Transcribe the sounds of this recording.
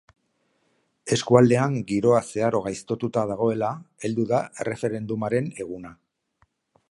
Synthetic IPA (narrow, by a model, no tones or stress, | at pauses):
e̞skuald̪e̞aŋɡiɾo̞ase̞aɾo̞ɣ̞ajst̪o̞t̪ut̪að̞aɣ̞o̞e̞lae̞ld̪uðaere̞fe̞ɾe̞nd̪umaɾe̞ne̞ɣ̞una